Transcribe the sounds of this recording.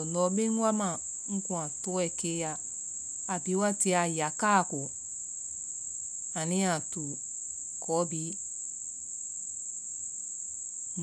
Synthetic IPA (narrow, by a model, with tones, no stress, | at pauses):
nɔ˨˦be˦ŋ̩˦wa˦ma˨ | ŋ̩˦kũ˨a˨tʊ˦ɛ˨ke˦ja˦ | a˨bi˨˦wa˦ti˧˦a˨ja˨ka˦˨kʊ˨ | a˨nĩ˦a˨tu˨ | kʰɔ˨˦bi˨˦ | n